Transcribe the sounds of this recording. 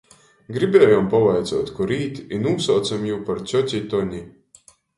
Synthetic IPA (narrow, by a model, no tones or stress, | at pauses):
ɡɾibʲeːjɔmpavajd̪zuɔt̪kɔɾiːt̪inuːsawt̪samjuːpaɾt͡ʃʲɔtʲit̪ɔɲi